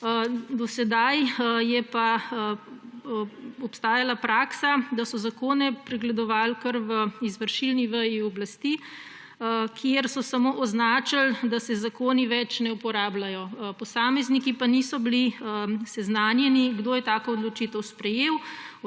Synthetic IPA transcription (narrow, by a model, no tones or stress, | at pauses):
d̪ɔsɛd̪ajjɛpa | ɔpst̪aːjalapɾaːksad̪asɔzakoːnɛpɾɛɡlɛd̪ɔʋaːlkəɾʋəizʋəɾʃilniʋəjiɔblast̪i | kʰjeɾsɔsamoʔɔznaːt͡ʃald̪asɛzakoːniʋɛt͡ʃnɛupɔɾaːblajɔpɔsaːmɛznikipanisɔbiliəsɛznaːnjɛniɡd̪oːjɛt̪aːkoːd̪lɔt͡ʃit̪əwspɾɛjew